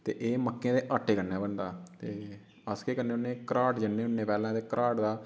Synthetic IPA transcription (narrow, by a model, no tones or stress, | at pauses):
t̪eːʔeːməkːẽːd̪eːʔaːʈʰːeːkənːaːbənd̪aːt̪eː | əskeːkənːeːʊnːẽːkəɾaːʈd͡ʒənːeːʊnːeːpɛːlãːt̪eːkəɾʔaːʈd̪aː